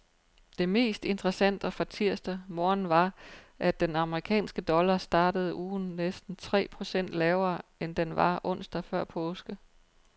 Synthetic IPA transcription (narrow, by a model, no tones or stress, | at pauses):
d̥e̝me̝̰ːsd̥e̝nd̥ʰʁɐsæn̰d̥ɒ̽fɑt͡sʰiɐ̰sd̥ɐmɒːnʋɑ̈ʔæd̥enɑ̈məʁikʰɛ̰ːnsɡ̥əd̥ɒ̽lɐsd̥ɑ̈ːd̥əð̞̩ˠʔuːn̩nesd̥n̩t͡sʰʁɛ̰ːpʰʁo̝sen̰d̥lɛːʊɐːend̥enʋɑ̈ʔɔ̽n̰sd̥ɐfɶɐ̰pʰɔːsɡ̥ə